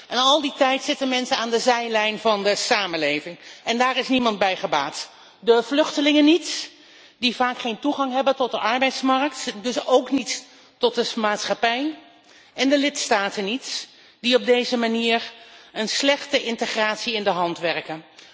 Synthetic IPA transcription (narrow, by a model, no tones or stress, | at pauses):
ʔɛnɑlˠditɛjtsɪtənmɛnsənaːndəzɛjlɛjnvɑndəsaːmənlejvɪŋɛndaːrɪsnimɑntbɛjχəbaːt | dəv̥lʏχtəlɪŋənits | div̥aːkχejntuχɑŋɦɛbəntɔt̚dəʔɑɹbɛjtsmɑɹk̚tdɵsowknit | tɔt̚əmaːtsχapɛj | ɛndəlɪtstaːtənits | diɔb̚dejzəmaniːɹənslɛχtəʔɪntəχraːtsiɪndəɦɑntʋɛrkən